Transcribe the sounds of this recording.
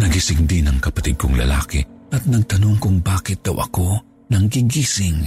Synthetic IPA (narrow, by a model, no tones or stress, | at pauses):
nɐɡisɪŋd̪inɐŋkɐpat̪ɪd̪̚kʊŋlɐ̰la̰ːkɪ̰ʔɐt̪̚nɐɡ̚t̪ɐnoŋkʊŋbaːkɪt̪̚d̪ɐ̰wʔɐ̰ko | nɐŋɡiɡiːsɪŋ